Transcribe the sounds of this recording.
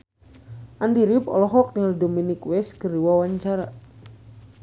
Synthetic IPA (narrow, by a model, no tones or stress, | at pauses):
ʔandiɾipɔ̰lɔɦɔk̚nildominikwɛskəriwawaɲt͡ʃaɾa